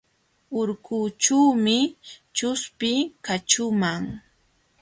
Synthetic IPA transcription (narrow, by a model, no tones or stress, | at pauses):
ʊɾkʊt͡ʃuwmɪt͡ʃʊspɪkat͡ʃʊmaŋ